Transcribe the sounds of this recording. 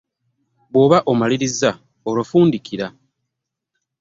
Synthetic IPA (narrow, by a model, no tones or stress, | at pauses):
βwo̞βaʔomaliɾiza | olofuːndikʰiɾa